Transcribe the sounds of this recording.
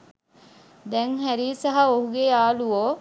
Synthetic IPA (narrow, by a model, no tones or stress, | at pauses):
d̪ɛŋɦæɾiːsɐɦɐoɦuɡeaːluoː